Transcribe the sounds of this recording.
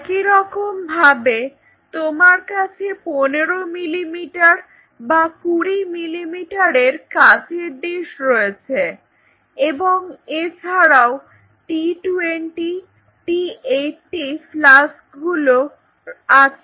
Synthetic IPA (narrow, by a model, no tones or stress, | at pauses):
kiɾɔkombʱabe | t̪omaɾkat͡ɕʰeponeɾomilimiʈaɾ | bakuɾimilimiʈaɾeɾkat͡ɕʰeɾd̪eʃɾoet͡ɕʰe | eboŋet͡ɕʰaɾao | ʈiʈueɳʈi | ʈieʈːiflas | ɡulo | at͡ɕʰe